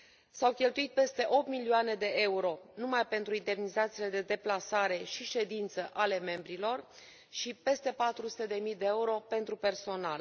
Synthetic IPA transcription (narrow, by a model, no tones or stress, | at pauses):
sawkʲe̞lt̪uit̪̚pe̞st̪e̞ʔo̞p̚t̪milioane̞d̪e̞ʔe̞uɾo̞numajpe̞nt̪ɾuind̪e̞mnizat̪siːle̞d̪e̞d̪e̞plasaɾe̞ʃiʃe̞d̪int̪səʔale̞me̞mbɾilo̞r | ʃipe̞st̪e̞pat̪ɾusu̥t̪e̞d̪e̞mijd̪eeuɾo̞pe̞nt̪ɾupe̞rso̞na̰l